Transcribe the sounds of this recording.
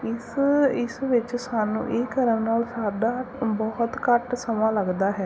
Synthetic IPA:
ɪsɪsʋɪt͡ʃsaːnṵ̃ːʔeːkəɾəmnaːlsaːɖaːbɔːt̪kəʈsəmãːləɡd̪aːɦɛː

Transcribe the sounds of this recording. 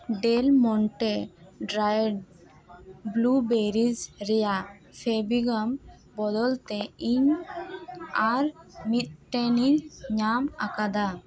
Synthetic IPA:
ɖɛlmɔɳʈɛɖɾajɖ | blubeɾid͡ʒɾɛjapʰebiɡam | bɔd̪ɔlt̪ɛiɲ | aɾmit̪̚ʈɛniɲamakad̪a

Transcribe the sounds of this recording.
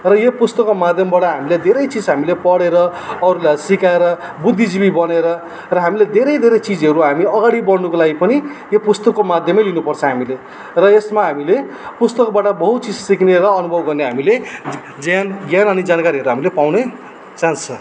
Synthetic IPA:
rʌjepust̪ʌkːomad̪ʱjʌmbaʈʌɦamiled̪ʱeɾʌjt͡sid͡zɦamilepʌɽeɾʌʌɾulajsikaeɾʌbud̪ʱːid͡zibibʌneɾʌ | rʌɦamiled̪ʱeɾʌjd̪ʱeɾʌjt͡sid͡zɦʌɾuɦamiʌɡaɽibʌɽnukolaɡipʌni | jopust̪ʌkːomad̪ʱjʌmʌjlinupʌrt͡sʰʌɦamile | rʌesmaɦamile | pust̪ʌkbaʈʌbʌɦut̪t͡sid͡zsikneɾʌːnubʱʌbɡʌrneɦamile | d͡zjanɡjanʌnid͡zankaɾiɦʌɾuɦamilepawne | t͡saɦnt͡sʰʌ

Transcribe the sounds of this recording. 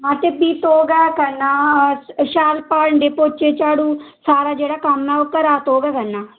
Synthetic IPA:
mãːt̪ebiːt̪oːɡɛːkəɾnaːʃaːlpaːɾɳɖeːpoːt͡ʃeːt͡ʃaːɽũːsaːɾaːd͡ʒeːɽaːkəmːɛːʊkːəɾaːt̪oːɡɛːkəɾnaː

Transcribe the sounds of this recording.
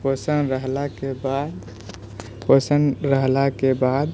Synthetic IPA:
posənɾəɦlakebad̪ | posəɳɾəɦlakebad̪

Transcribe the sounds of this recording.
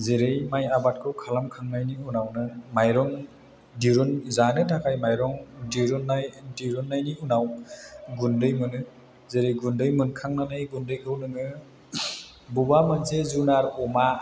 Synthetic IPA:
zeɾɯjmajabat̚kʰɯwkʰalamkʰaŋnajniunawnɯmajɾɔŋ | diɾunzanɯtʰakʰajmajɾɔŋdiɾɔnːajdiɾunːajniunawɡundɯjmɯnɯ | zeɾɯjɡundɯjmɯnkʰaŋnanɯjɡundɯjkʰɯwnɯŋɯ | bubamɯnzezunaɾɔma

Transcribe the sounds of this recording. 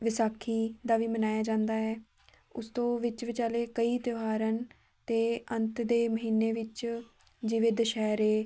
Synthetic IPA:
ʋɪsaːkʰːiːd̪aːʋiːmənaːjaːd͡ʒãːnd̪aːɦɛː | ʊst̪õːʋɪt͡ʃʋɪt͡ʃaːleːkəiːt̪jəɦaːɾən | t̪eːənt̪d̪eːməɦiːnːeːʋɪt͡ʃ | d͡ʒɪʋɪd̪ʃɛːɾeː

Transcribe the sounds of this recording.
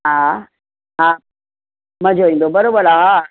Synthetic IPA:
ɦã | ɦã | mə̃d͡ʑʱoĩːnd̪obəɾobəɾaɦa

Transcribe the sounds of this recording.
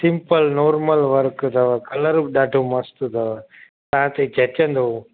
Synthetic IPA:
sɪ̃mpəlnoːɾməlʋəɾkt̪ɐʋəkɐləɾɗaːɖʱomɐst̪ud̪ɐʋə | t̪ɐɦãt̪ed͡ʑʱɐt͡ʃə̃nd̪o

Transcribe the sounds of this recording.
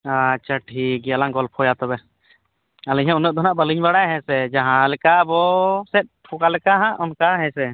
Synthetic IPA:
at͡ʃaʈʰiɡɛalaŋɡɔlpʰɔjat̪ɔbɛ | alɛɲɦɛ̃unəʔ̚d̪ʱɦnaʔbəliɲbaɽajɦɛ̃sɛd͡ʒãɦãlɛkabɔsɛt̪̚pʰɔkalɛkaɦãʔʔɔnkaɦɛ̃sɛ

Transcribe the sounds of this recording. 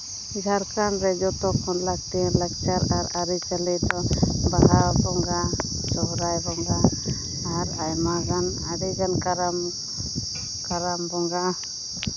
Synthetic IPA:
ɡʱaɾkanɾɛd͡ʒɔt̪ɔkʰɔnlak̚t̪ɛalak̚t͡ʃaɾaɾaɾit͡ʃalɛd̪ɔbaɦabɔŋɡa | d͡ʒɔwɾajbɔŋɡaː | ɾajmaɡan | aɾiɡankaɾam | kaɾambɔŋɡa

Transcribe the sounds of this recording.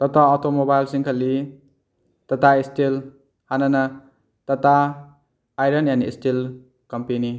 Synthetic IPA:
t̪ɔt̪aɔtomobajlsiŋkʰʌlːi | t̪at̪aistel | hanana | t̪ɐt̪aː | jɾʌnjanḭːstil | kʌmpeni

